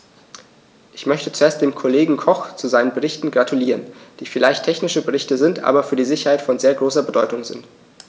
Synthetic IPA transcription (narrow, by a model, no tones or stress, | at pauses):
ʔɪçmœçtət͡suʔeːɐstd̥eːmkʰoleːɡŋ̩kʰɔχt͡suzaɪnənbəʁɪçtn̩ɡʁatʰuliːʁ̞ənd̥iːfɪlaɪçtʰɛçnɪʃəbəʁ̞ɪçtəzɪntʔa̰ːbɐfyːɐdiːzɪçɐhaɪtfɔnzeːɐɡʁoːsɐbədɔʏtʊŋzɪ̰nt